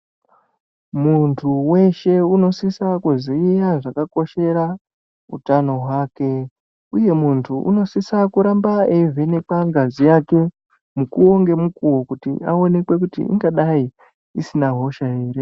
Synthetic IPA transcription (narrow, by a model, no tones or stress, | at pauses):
muntʰuwe̞ʃe̞uno̞sisakuziijaʐakako̞ʃe̞ɾa | ṵtano̞ɦwaːke̞ | uje̞muntʰuʔṵno̞sisakuɾambaeivʱe̞ne̞kaŋɡazijake̞ | mukuo̞ŋɡe̞mukuwokutḭʔao̞ne̞kwe̞kutḭʔḭŋɡaɗai | isinaɦo̞ʃae̞ːɾe̞